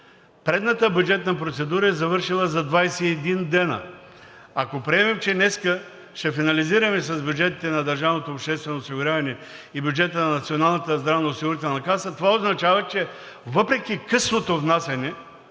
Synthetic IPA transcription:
pɾɛd̪nɐt̪əbʲjud͡ʒɛt̪̚nɐpɾot̪sɛd̪uɾəɛzɐvɤɾʃilˠəzɐd̪vajsɛːd̪ind̪ɛnə̰ | akopɾiɛmɛmt͡ʃɛnɛskə | ʃt̪ɛfinɐliziɾɐmɛsɐzbjud͡ʒɛt̪it̪ɛnɐd̪ɐɾʒavnot̪oːpʃt̪ɛst̪vɛnoːsiɡʊɾʲjavɐnɛibʲjʊd͡ʒɛt̪ənɐnɐt̪sionalˠnɐt̪əzd̪ɾavnɐosiɡʊɾit̪ɛlˠnɐkasət̪ovaoznɐt͡ʃavɐt͡ʃɛ | vəpɾɛk̟ʲikɤsnot̪ovnasʲɐnɛ

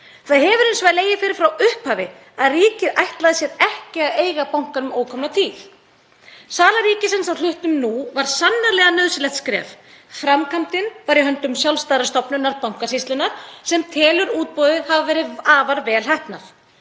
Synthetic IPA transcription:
θaðhɛːvʏɾʏnsvajleːjɪfɪɾɪɾ̥fɾawʏhphaːvɪ | aðriːcɪðajht̪laðɪsjɛðɛhcɪaðeːjɣapawŋ̥kanʏmoːwkʰɔmnat̪ʰiːθ | saːlaɾiːcɪsɛnsawl̥ʏht̪ʏmnuvaɾ̥sanːaɾlɛːɣanœðsɪlɛht̪skɾɛ̰ːf | fɾamkʰam̥t̪ɪnvaɾihɦœnt̪ʏmsjawlst̪ajɾast̪ɔpnʏnːaɾpawŋ̥kasist̪lʏnaɾ̥sɛmt̪ʰɛːlʏɾuːt̪̚pɔðʏhavavɛːɾɪðaːvaɾvɛːlɦɛhpnaθ

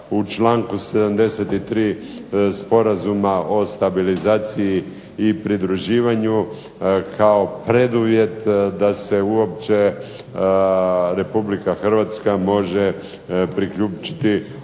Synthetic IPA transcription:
ut͡ʃlaːŋkuse̞d̪amd̪e̞set̪it̪ɾiːspo̞ɾazumaʔo̞st̪abilizaːt̪siji | ipɾid̪ɾuʒiːʋaɲu | kʰao̞pɾe̞d̪uʋje̞t̪d̪ase̞uo̞pt͡ʃe̞ | ɾe̞publikaxr̩ʋat̪skamo̞ʒe | pɾikʎuːt͡ʃi̥t̪i

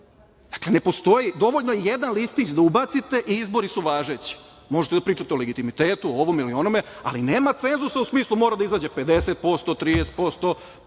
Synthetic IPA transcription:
d̪ḁkle̞ne̞po̞st̪o̞jid̪o̞ʋoʎnojjed̪anlist̪it͡ɕd̪aubat̪sit̪e̞ʔiizbo̞ɾisuʋaːʒe̞t͡ɕi̥ | mo̞ʒet̪ed̪apɾiːt͡ʃat̪eoleɡit̪imit̪eːt̪uooʋomilio̞nome̞a̰line̞ːmat̪se̞nzusausmiːslˠumo̞ːɾad̪aizaːd͡ʑe̞ped̪e̞set̪̚po̞st̪ot̪ɾiːd̪ese̥t̪po̞st̪o̞

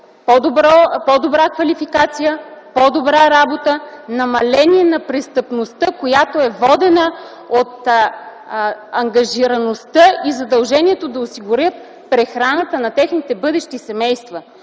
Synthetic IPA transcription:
pod̪obɾɔpɔd̪obɾakvɐlifikat̪sijəpod̪obɾaɾabot̪ənɐmɐlɛniɛnɐpɾɛst̪əpnost̪əkojat̪oɛvɔd̪ɛnə | ot̪ | ɐŋɡɐʒiɾɐnost̪əizɐd̪ɐlˠʒɛniɛt̪od̪ɐosiɡʊɾʲət̪̚ | pɾɛxɾanət̪ənɐt̪ɛxnit̪ɛbɤd̪ɛʃt̪isɛmɛjst̪və

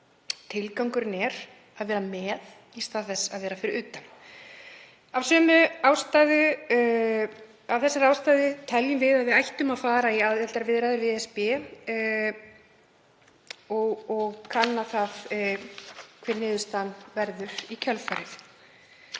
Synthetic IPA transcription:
t̪ʰɪlkawŋkʏɾnɛɾ̥ | aðvɛːɾamɛːð | ist̪aθɛsːa̰ðvɛːɾafɪɾɪɾʏːt̪an | avsœːmʏawst̪ajðʏ | avθɛsːɪɾaːwst̪ajðɪt̪ʰɛljʏmvɪðaðvɪðajht̪ʏmaðfaːɾaiaðɛt̪aɾvɪðɾajðʏɾvɪðɛspɪ | ɔɣɔɣkʰanːaθað | kʰvɛːɾnɪːðʏst̪anːvɛɾðʏɾ̥icʰœlfajɾɪθ

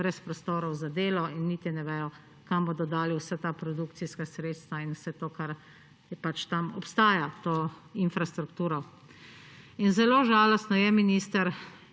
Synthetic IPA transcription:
bɾɛspɾɔst̪oːɾɔwzad̪eːlɔinːiːt̪inɛʋɛjɔ | kamboːd̪ɔd̪aːliwsɛt̪apɾɔd̪ukt̪siskasɾeːt̪st̪ʋainwsɛt̪oːkaɾ | pat͡ʃt̪amɔpst̪aːjat̪oːinfɾast̪ɾukt̪uːɾɔ | inzɛloːʒaːlɔst̪nɔjɛminist̪əɾ

